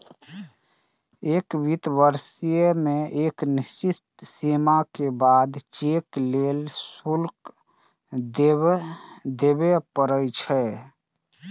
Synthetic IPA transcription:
eːkbit̪ʋəɾsijəmẽeːknɪst͡ʃɪt̪simakebaːd̪t͡ʃekleːlsulk | d̪ | d̪ebepəɾət͡ʃʰɛ

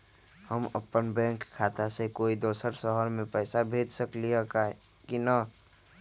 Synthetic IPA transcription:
həmə̰pːənbɛ̃ŋkʰːat̪asekoːid̪oːsəɾsəɦəɾmẽpɛɪsabʱeːd͡ʒsəkliəka | kinə

